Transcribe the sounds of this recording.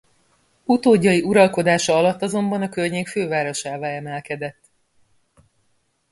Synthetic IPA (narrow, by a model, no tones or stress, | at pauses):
ut̪oːɟːɒjiʔuɾɒlko̞d̪aːʃɒɒlɒt̪ːɒzo̞mbɒnɒkørɲeːkføːvaːɾo̞ʃaːvaːlɛmɛlkɛd̪ɛt̪ː